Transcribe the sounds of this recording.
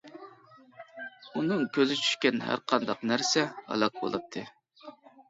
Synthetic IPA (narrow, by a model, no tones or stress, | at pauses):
unɨŋkʲøzɪt͡ʃʰy̥ʃkʲɛnhæ̰ɾqʰɑnd̪ɑqnæɾsɛhɑ̰lˠɑq̚bo̰lˠɨ̰p̚t̪ʰɨ